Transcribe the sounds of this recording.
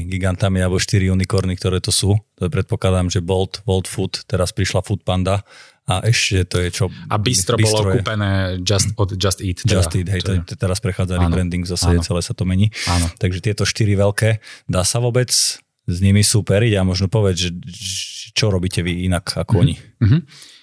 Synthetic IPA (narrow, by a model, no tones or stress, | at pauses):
ɡiɡant̪amialbɔʃt̪iɾiuːnikɔɾnik̚t̪ɔɾɛːt̪ɔsuːpɾɛt̪̚pɔklad̪amʒɛbɔlt̪ʋɔlt̪fut̪ːɛɾaspɾiʃlafut̪̚pand̪a | aʔɛʃcɛt̪ɔjɛt͡ʃɔa̰bist̪ɾɔbibɔlɔɾɔɛpɛnɛːd͡ʒast̪ɔd̪d͡ʒast̪iːt̪d͡ʒd͡ʒast̪iːt̪ɦɛj̪ɛt̪t̪ɛɾaspɾɛxaːd͡zalibɾɛnd̪iŋɡvzasaɟɛt͡sɛlɛːsat̪ɔmɛɲiːant̪aɡʒɛt̪ɪɛt̪ɔʃt̪iɾiʋɛlkɛːd̪aːsaʋʊɔbɛt͡s | zɲimisupɛɾiɟamɔʒnɔpɔʋjɛd͡zʒɛ | t͡ʃɔɾɔbiːcɛʋiinakakɔɔɲiɦ̩